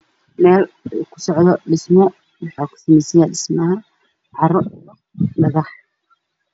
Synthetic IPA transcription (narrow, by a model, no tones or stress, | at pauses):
mɛːl | uːkʰʊ̥sɔʕðɔɗɪsmɔ | wɑħaːkʰʊ̥sɐmɛjsɛjaːɗɪsmɐha | ʕɑrˤɔ | mɐðɑħ